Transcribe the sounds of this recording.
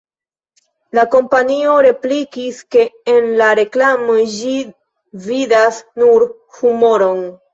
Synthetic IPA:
lako̞mpanio̞ɾe̞plikiske̞ːnlaɾe̞klamod͡ʒi | vidasnuɾ | humo̞ɾo̞n

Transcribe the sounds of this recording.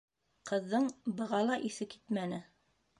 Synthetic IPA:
qɤ̆ðːɤɴbɤ̆ʁɑlˠɑʔiθɘki̥t̪mænɘ

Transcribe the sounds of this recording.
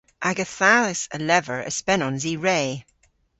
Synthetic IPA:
ʔaɡəθalɪsəlɛvəɹə̰spɛnɔnziːɹeː

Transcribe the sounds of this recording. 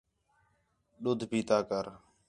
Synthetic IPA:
ɗʊd̪ʱbiːt̪aːkəɾ

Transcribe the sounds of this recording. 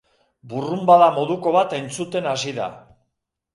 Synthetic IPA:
burumbaðamo̞ðuko̞β̞at̪e̞nt͡sut̪e̞nas̬iða̰

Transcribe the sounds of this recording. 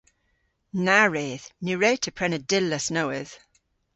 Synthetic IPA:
naɹeːðnʉɹeːtʰəpʰɹ̥ɛnədɪlːəsnowɪð̥

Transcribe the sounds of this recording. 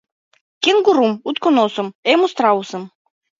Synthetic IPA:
kʲenɡuɾumut̪konosŏmemust̪ɾausɤ̆m

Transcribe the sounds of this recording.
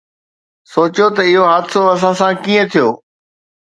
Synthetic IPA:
soːt͡ɕjot̪ɐɪɦoɦaːd̪soɐsãsãkiːə̃t̪ʰijoː

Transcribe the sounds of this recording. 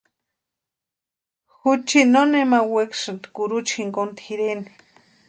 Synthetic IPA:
xut͡ʃinonemaweksɨnt̪kuɾut͡ʃxiŋkont̪xiɾeni̥

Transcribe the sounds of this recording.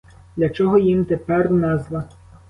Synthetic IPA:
d̪lʲɐt͡ʃɔɦɔjimt̪epɛrnɛzʋˠɐ

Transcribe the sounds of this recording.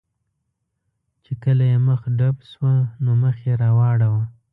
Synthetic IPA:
t͡ʃekəlajeməxɖabswanoməxjeɾɑwɑɽawa

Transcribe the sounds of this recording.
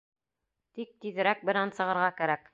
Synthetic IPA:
t̪ik̚t̪iðɘ̆ɾæk̚bɘ̆nænsɤ̆ʁɤ̆ɾʁɑkæɾæk

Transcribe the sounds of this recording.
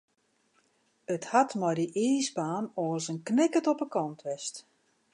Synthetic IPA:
əthatmɔjdiʔiːsbaːnɔːsənknɪkətɔpəkɔntʰʋɛst

